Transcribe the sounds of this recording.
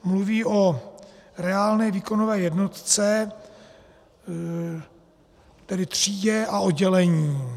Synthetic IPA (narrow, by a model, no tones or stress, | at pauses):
mluviːʔo̞ | ɾɛaːlnɛːviːko̞novɛːjɛdno̞t̪t͡sɛ | t̪ɛdɪt̪r̝̥iːɟɛʔaodɟɛlɛɲiː